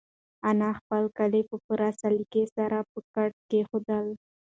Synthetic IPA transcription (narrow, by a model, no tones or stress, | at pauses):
anɑxpəlkalepəpuɾasalikesaɾapəkaʈ̚kexod̪əl